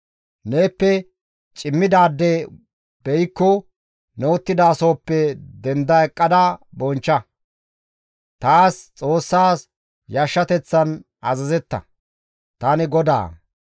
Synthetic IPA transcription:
ne̞ːpːɛ | t͡ʃʼɪmːɪd̪aːd̪ːɛ | bɛjkːɔ | nɛwɔt̪ːɪd̪aːso̞ːpːɛd̪ɛnd̪ɐɛkʼːɐd̪ɐbɔnt͡ʃːɐ | t̪aːst͡sʼo̞ːsːaːs | jɐʃːɐt̪ɛt͡sːɐn | ɐzɐzɛt̪ːɐ̰ | t̪anɪɡɔd̪a̰ː

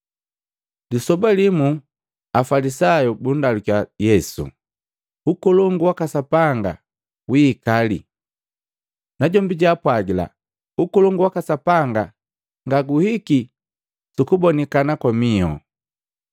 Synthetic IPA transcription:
lisɔbalimu | afalisajubun̩dalukajɛsṵ | ukuluŋɡuwakasapaŋɡa̰ | wiːkalḭ | naɟɔmbiɟaːpwaɡila̰ | ukulɔŋɡuwakasapaŋɡa | ŋɡaɡuhiki | sukubɔnikanakwamiɔ̰

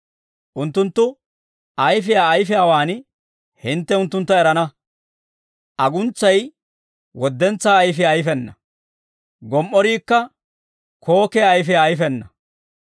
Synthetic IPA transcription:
ʔʊnt̪ːʊnt̪ːʊ | ɐjfɪjaːɐjfɛawaːn | hɪnt̪ːɛʊnt̪ːʊnt̪ːɐɛɾɐnɐ | ʔɐɡʊnt͡sːɐj | wɔd̪ːɛnt͡sːaːjfɪːjfɛnːɐ | ɡɔmʔːɔɾiːkːɐ | kʰo̞ːkɛːjfɪaːjfɛnːɐ

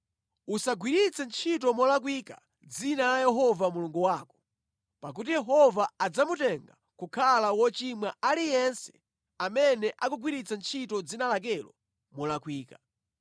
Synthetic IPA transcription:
usaɡwiɾit͡sʰɛnt͡ʃʰitɔmɔlak̬wika | d͡zinalajɛɦɔvamuluŋɡuwaːkɔ̥ | pak̬utijɛɦɔvaad͡zamutɛŋɡa | kukʰalawɔt͡ʃimwaalijɛnsɛ̥ | amɛnɛʔakuɡwiɾit͡sant͡ʃʰitɔd͡zinalak̬ɛlɔ̰ | mɔlakwiːka

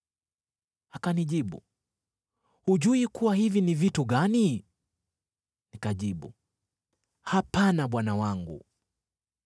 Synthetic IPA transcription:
hakaniʄiɓṵ | huʄuikuwahivinivituɠani | nikaʄiɓṵ | hapanaɓwanawaŋɡṵ

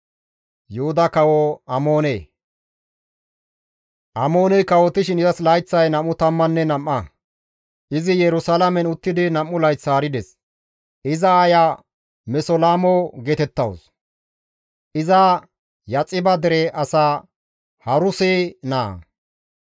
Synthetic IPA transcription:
jʊhʊd̪ɐkɐwɔɐmoːneː | ʔɐmo̞ːnɛjkɐwɔt̪ɪʃɪnɪzɐslɐjt͡sːɐjnɐmʊt̪ɐmːɐnːɛnɐmːɐ | ʔɪzɪjɛɾʊsɐlɐmɛnʊt̪ːɪd̪ɪnɐmːʊlɐjt͡sːaːɾɪd̪ɛs | ʔɪzɐːja | mɛsɔlaːmɔɡɛt̪ɛt̪ːɐws | ʔɪzɐ | jɐt͡sʼːɪbɐd̪ɛɾɛʔɐsaː | hɐɾʊsena̰ː

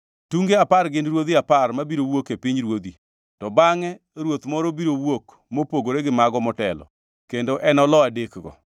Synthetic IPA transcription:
tuŋɡeaparɡɪnɾwod̪iaparmabiɾowokepiɲɾwod̪i | tɔbaŋɛ | ɾwot̪mɔɾɔbiɾowok | mopoɡoɾeɡɪmaɡɔmɔtɛlɔ̰ | kendoʔɛnɔlɔadekɡɔ̰

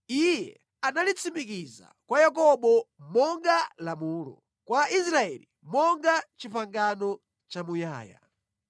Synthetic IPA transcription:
ijɛ | analit͡simik̬iza̰kwajakɔɓɔmɔŋɡalamuːlɔ̰ | kwais̬ɾaɛlḭ | mɔŋɡat͡ʃipaŋɡanɔ | t͡ʃamuja̰ːja̰

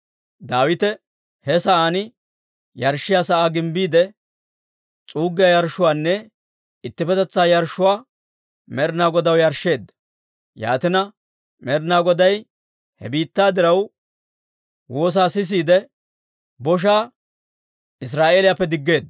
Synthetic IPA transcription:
d̪aːwɪt̪ɛ | hɛsɐʔaːnɪ | jɐɾʃːɪjaːsɐʔaːɡɪmbiːd̪ɛ | t͡sʼuːɡːɪjɐjɐɾʃːʊwaːnːɛ | ɪt̪ːɪpɛt̪ɛt͡sːaːjɐɾʃʊwaː | mɛɾnaːɡɔd̪ɐwjɐɾʃːe̞ːd̪ːɐ | ja̰ːt̪ɪnɐ | mɛɾnaːɡɔd̪ɐj | hɛ̰biːt̪ːaːd̪ɪɾɐw | wo̞ːs̬aːsɪs̬iːd̪ɛ | bɔʃ̬aː | ɪs̬ɾaːʔe̞ːlɪjapːɛd̪ɪɡːe̞ːd̪

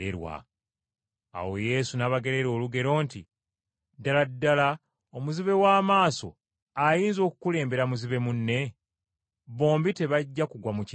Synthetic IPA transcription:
ḛɾwa̰ | a̰wo̞je̞ːsunaβaɡe̞ɾe̞ɾo̞ːluɡe̞ɾo̞ːnti | daladːala | omuziβe̞waːmaːso̞̰ | ajiːnzo̞ːku̥kule̞ːmbe̞ɾamuziβe̞munːe̞ | βo̞ːmbite̞βaɟːakuɡwamuci

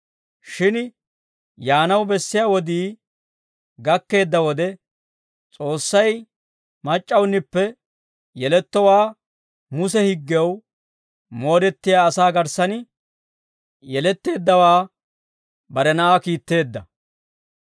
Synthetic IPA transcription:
ʃɪn | jaːnɐwbɛsːɪjaːwɔd̪iː | ɡɐkːe̞ːd̪ːɐwɔd̪ɛ | t͡sʼo̞ːsːɐj | mɐt͡ʃʼːɐwnːɪpːɛ | jɛlɛt̪ːɔwaː | mʊsɛhɪɡːw | mo̞ːɾɛt̪ːɪjaːsaːɡɐɾsɐnɪ | jɛlɛt̪ːe̞ːd̪ːɐwaː | bɐɾɛnɐʔaːkiːt̪ːe̞ːd̪ːɐ

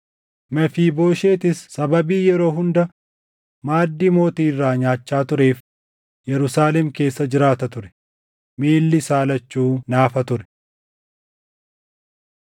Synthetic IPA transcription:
mɛfiːbo̞ːʃe̞ːt̪ɪsːɐbɐbiːjɛɾo̞ːɦʊnd̪ɐ | maːd̪ːiːmo̞ːt̪iːɪrːaːɲaːt͡ʃːaːt̪ʊɾe̞ːf | jɛɾʊsaːlɛmke̞ːsːɐd͡ʒɪɾaːt̪ɐt̪ʊɾɛ̥ | miːlːɪsaːlɐt͡ʃːuːnaːfɐt̪ʊɾɛ̥

